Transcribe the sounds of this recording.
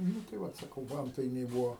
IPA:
ˈnʊ tɐɪ ˈʋɐt sɐˈkɐʊ ˈʋɐntɐɪnʲɛɪ ˈbuːoː

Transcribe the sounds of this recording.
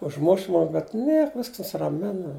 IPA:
ʊʒˈmʊʃ ˈmʊm bʲɛt ˈnʲiɛk ˈʋʲɪsks nʊsʲɪrɐˈmʲɪnɐ

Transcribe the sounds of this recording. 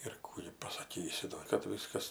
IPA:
ɪr ˈkuː ɡʲɪ pɐsɐˈkʲiːsʲɪ doː kɐt ˈʋʲɪskɐs

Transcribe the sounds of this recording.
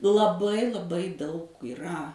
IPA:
lˠɐˈbɐɪ lˠɐˈbɐɪ dɐʊk iːˈrɐ

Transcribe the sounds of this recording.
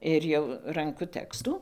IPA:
ɪr ˈjɛʊ ˈrɐŋkʊ ˈtʲæːkstuː

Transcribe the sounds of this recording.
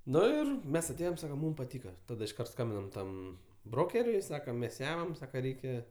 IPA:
ˈnʊ ɪr ˈmʲɛs ɐˈtʲeːjoːm ˈsɑːkɐm ˈmuːm pɐˈtʲiːkɐ ˈtɑːdɐ ɪʃˈkɐrt ˈskɐmʲbʲɪnɐm ˈtɐm ˈbroːkʲɛrʲʊɪ ˈsɑːkɐm ˈmʲɛs ˈjæːmɐm ˈsɑːkɐ ˈrʲɛɪkʲɛ

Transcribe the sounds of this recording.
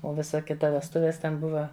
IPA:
oː ˈʋʲɪsɐ ˈkʲɪtɐ ʋʲɛsˈtʊʋʲeːs ˈtʲɛn ˈbʊʋɐ

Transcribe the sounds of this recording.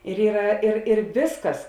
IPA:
ɪr ˈiːrɐ ɪr ɪr ˈʋʲɪskɐs

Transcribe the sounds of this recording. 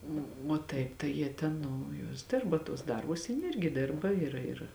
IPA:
oː oː ˈtɐɪp tɐɪ ˈjiɛ tʲɛn ˈnʊ ˈjuɔs ˈdʲɪrbɐ tuɔs ˈdɐrbʊs ˈjɪn ˈɪrʲɡʲɪ ˈdʲɪrbɐ ɪr ɪr

